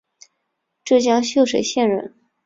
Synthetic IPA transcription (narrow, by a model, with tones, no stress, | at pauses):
ʈ͡ʂɤ˥˩t͡ɕjɑ˥ŋɕjo˥˩ʊʂe˨˧˥ɪɕjɛ˥˩nɻə̰˥˧˥n